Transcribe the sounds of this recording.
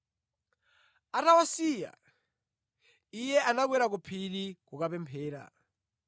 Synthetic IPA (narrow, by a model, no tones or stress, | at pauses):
aɾawasija̰ | ijɛʔanaɡ̬wɛɾakupʰilikukapɛmpʰɛːɾa̰